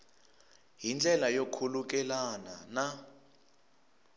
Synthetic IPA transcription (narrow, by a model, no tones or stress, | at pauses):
ɦind͡ɮʱɛlajokʰuluk̬ɛlanana